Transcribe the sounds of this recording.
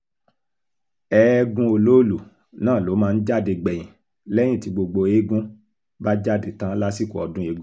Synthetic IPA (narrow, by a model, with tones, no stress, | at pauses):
ɛ˨˦ɡũ˧˦o˧lo˦lu˨ | nãː˦˨lo˨˦mãː˦˧n̩˦d͡ʒa˦˨de˧ɡ͡bɛ˨j̃ĩ˨ | lɛ˦j̃ĩ˦˨ti˨˧ɡ͡bo˧ɡ͡bo˧e˦ɡũ˦ | ba˦d͡ʒa˦˨de˨tã˦la˦si˦˨ko˨ɔ̰˨˧dũ˦e˧˦ɡũ˦